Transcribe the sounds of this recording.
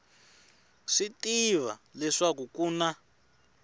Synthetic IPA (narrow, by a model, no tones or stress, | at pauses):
ʂitiβalɛʂakukuna